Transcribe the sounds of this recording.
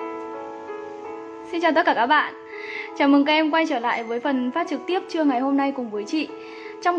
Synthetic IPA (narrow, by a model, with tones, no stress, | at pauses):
si˧nt͡ɕaː˨˩t̪ə˦˥t̚kaː˧˩kaː˦˥k̚ɓa̰ː˧˨n | t͡ɕaː˧˩mɨ˨˩ŋka˦˥ʔɛ˧mkwa˧jt͡ɕəː˧˩la̰ː˧˨jvəː˨˦jfə˨˩nfaː˦˥t̚t͡ɕɨ˨˩k̚t̪i˦˥əp̚t͡ɕɨ˧əŋa˨˩jɦo˧mna˧jkʊ˨˩ŋ͡mvəː˨˦jt͡ɕḭ˧˨ | t͡ɕɔ˧wŋ͡m